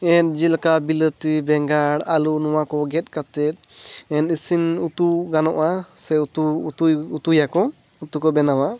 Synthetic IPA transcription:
ɛn̚d͡ʒilkabilət̪ibɛŋɡaɽalunɔwakɔɡɛt̪̚ˀkat̪ɛt̪̚ˀ | ɛnisinut̪uɡanɔʔasɛut̪ut̪uut̪ujakɔ | ut̪ukɔbɛnawa

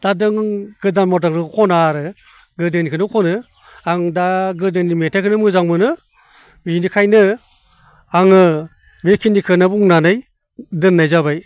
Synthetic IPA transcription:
d̥adɯŋɡ̥ɯdanmɔtaŋɾɯkʰɔnaɾɯ | ɡɯdɯŋnikʰɯnɯkʰɔnɯ | aŋdaɡɯdɯŋnimetʰakʰɯnɯmɯzaŋmɯnɯ | binikʰajnɯ | aŋɯ | bekʰinikʰɯnabuŋnanɯj | dɯnːajzaβaj

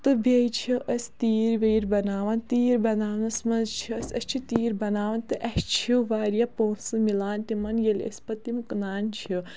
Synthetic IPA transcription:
t̪ɨbejt͡ʃʰiʔɐsʲt̪iːɾʋeːɾbɐnaːʋɐnt̪iːɾbɐnaːʋnɐsmɐnzt͡ʃʰiɐsʲɐst͡ʃʰit̪iːɾbɐnaːʋɐnt̪ɨʔɐst͡ʃʰiiʋaːɾijapoːnsɨmilaːnt̪imɐnjɐlʲɐ̰sʲpɐt̪imknaːnt͡ʃʰi

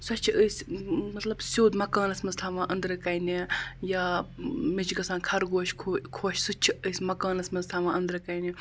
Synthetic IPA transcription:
sɐt͡ʃʰiʔəːsʲmɐt̪lɐbsʲoːd̪mɐkaːnɐsmɐnzt̪ʰaʋãːʔɐnd̪ɾɨkɐjnijaːmit͡ʃɡɐsaːnkʰɐɾɡoːʃkʰːkʰoːʃsut͡ʃʰiəːsʲmɐkaːnɐsmɐnzt̪ʰaːʋãːɐnd̪ɾɨkɐjni

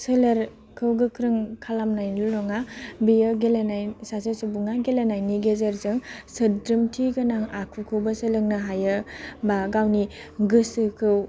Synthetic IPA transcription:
sɯlaɾ | kʰɯwɡɯkʰɾɯŋkʰalamnajnlulɔŋabijɯɡelenajsasɯsubuŋaɡelenajniɡezeɾzɯŋsɯdɾɯmtʰiɡanaŋakʰukʰɯwbasɯlɯŋnaɦajɯbaɡawniɡɯsɯkʰɯw

